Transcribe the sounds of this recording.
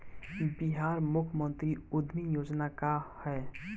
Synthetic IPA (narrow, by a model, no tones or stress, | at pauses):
biɦaːɾmʊkʰəmə̃nt̪ɾiʊd̪ʱmijoːd͡ʒnakahɛː